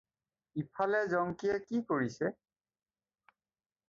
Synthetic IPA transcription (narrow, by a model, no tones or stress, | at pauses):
ipʰalɛzɔŋkijɛkikoɹisɛ